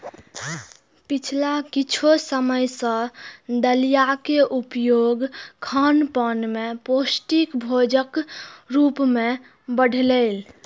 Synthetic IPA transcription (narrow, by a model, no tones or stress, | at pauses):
pit͡ʃʰlakit͡ʃʰosəməjsə̃d̪əlijakeʔupjoɡkʰənpənmeposʈikbʱod͡ʒəkɾupme | bəɽ̤ʱlel